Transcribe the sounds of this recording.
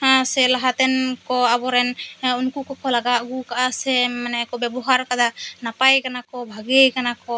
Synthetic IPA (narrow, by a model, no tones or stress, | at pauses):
hãsɛlaɦat̪ɛnkɔabɔɾɛnunkukɔkɔlaɡaʔɡukaʔasɛmanɛakɔbɛbɔɦaɾkad̪anapajkanakɔbʱaɡejkanakɔ